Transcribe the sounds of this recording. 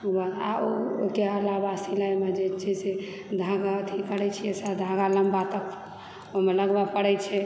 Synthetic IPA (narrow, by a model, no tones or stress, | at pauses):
ubaa̰ookeəlabasilajmed͡ʒet͡ʃʰɛse | d̪ʱãɡaət̪ʰikəɽɛt͡ʃʰiesad̪ʱãɡaləmbat̪ək | omeləɡbapəɽɛt͡ʃʰɛ